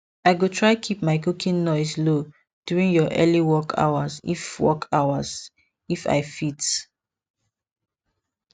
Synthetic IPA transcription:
aɪɡotʰɹaɪkʰip̚maɪkukʰĩnːɔɪslo | d̥juɹĩnjɔʔɛliwɔkʰa̰wazḭfwɔ̰kʰaʊaz | ifa̰ɪfit

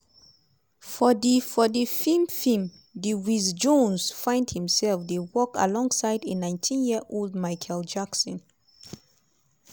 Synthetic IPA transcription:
fɔdifɔdifimfĩm | diwizd͡ʒõnsfãɪ̃nd̚hĩmsɛlfdewɔka̰lɔ̃ŋsaɪdenãɪ̃ntʰĩnjiʔold̚maɪkʰɛld͡ʒaksɔ̃n

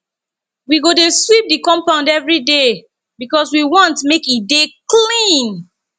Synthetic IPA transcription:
wiɡodeswip̚dikɔ̃mpãʊ̃ndɛvɹide | bikɔswiwɔ̃ntmekideklĩn

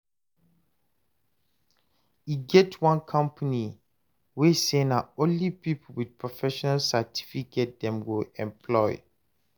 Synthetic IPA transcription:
iɡɛtʰwɔ̃nkʰʌ̃mpʰani | wesẽnaõnlipipl̩wid̥̚pʰɹɔfɛʃɔnalsatʰi̥fikʰet̚dɛ̃mɡoɛ̃mpʰlɔɪ

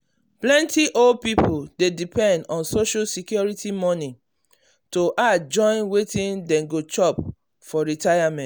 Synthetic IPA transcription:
plɛ̃ntiʔol̚pipudedipɛ̃ndɔ̃nsoʃasikjɔɹitimɔ̃nĩ | toʔad͡ʒɔ̃ɪ̃nwetĩndɛ̃ɡot͡ʃɔp | fɔɹitajamɛ̃

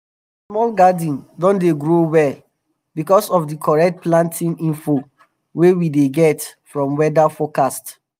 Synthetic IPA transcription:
smɔlɡadĩndɔ̃ndeɡɹowɛ | bikɔsɔfdikʰɔɹɛk̚t̚plãntʰĩnĩɱfo | wewideɡɛtfɹɔ̃mwɛdafɔkast

